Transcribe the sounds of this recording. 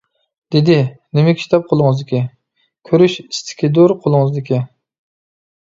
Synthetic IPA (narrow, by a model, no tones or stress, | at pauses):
d̪̥ed̪ɪnɪmɛkʲʰi̥ʃt̪ʰɛp̚qʰolˠʊŋəɨzd̪ɪkʲi | kʲʰøɾyʃist̪ʰɪ̥kʲid̪oɾqʰolˠɨŋɨzd̪ɪkʲɪ